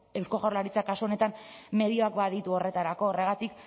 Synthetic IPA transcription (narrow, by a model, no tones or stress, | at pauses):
e̞wsko̞ɣawɾlaɾit͡sakasuo̞ne̞t̪anme̞ð̞io̞akbaðit̪uo̞re̞t̪aɾako̞ːre̞ɣat̪ik